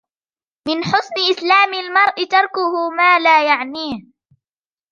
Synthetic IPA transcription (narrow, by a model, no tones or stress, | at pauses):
mɪnħʊsnɪʔɪslaːmɪlmɑɾˤʔɪt̪ɑɾˤkʊhʊmaːlaːjaʕniːh